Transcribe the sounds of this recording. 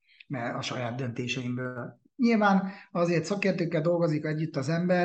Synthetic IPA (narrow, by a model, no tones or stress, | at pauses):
mɛɒʃɒjaːd̪d̪ønt̪eːʃɛimbøːl | ɲilvaːnɒzeːrt̪sɒkeːrt̪øːkːɛld̪o̞lɡo̞zikɛɟːyt̪ːɒzɛmbɛ